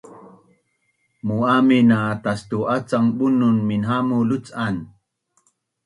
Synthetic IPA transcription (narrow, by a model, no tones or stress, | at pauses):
muaminat̪ast̪uat͡saŋɓununminɦamulut͡san